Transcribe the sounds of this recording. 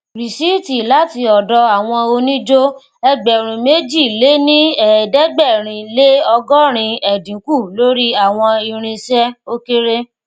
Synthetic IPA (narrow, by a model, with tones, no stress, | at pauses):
ɾi˨si˦ti˨la˦ti˧ɔ˨dɔ˧a˦˨w̃ɔ̃˧o˧nĩ˦d͡ʒo˦ | ɛ˧ɡ͡bɛ˨ɾ̃ũ˨me˦d͡ʒi˦˨le˨˦nĩ˦ɛ˨dɛ˦ɡ͡bɛ˦˨ɾ̃ĩ˧le˦ɔ˧ɡɔ˦ɾ̃ĩ˧ɛ˨dĩ˨˦ku˦˨lo˦ɾi˦a˦˨w̃ɔ̃˧i˧ɾ̃ĩ˧sɛ˦o˧ke˦ɾe˦